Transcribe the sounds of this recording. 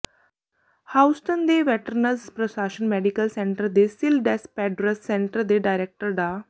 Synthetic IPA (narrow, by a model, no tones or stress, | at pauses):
hawsʈ̪ənd̪eʋeʈəɾnəd͡zpɾɔsaɕənmeɖikəlsẽɳʈəɾd̪esilɖɛspɛɖɾəsːeɳʈəɾd̪eɖajɾek̚ʈəɾɖa